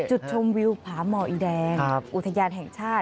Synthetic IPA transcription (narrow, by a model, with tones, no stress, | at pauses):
t͡ɕu˨˩t̪̚t͡ɕʰo˧mwi˧wpʰaː˩˦˥mɔː˧ʔiː˧dɛː˧ŋʔu˨˩t̪ʰːa˧jaː˧nɦɛ˨˩ŋt͡ɕʰaː˥˩t